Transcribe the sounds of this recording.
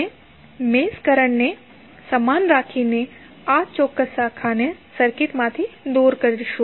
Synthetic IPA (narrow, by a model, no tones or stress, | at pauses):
e | meskəɾəɳne | səmanɾakʰine | at͡ʃɔkːəsakʰanesəɾkit̪mãt̪ʰid̪uɾkəɾʃu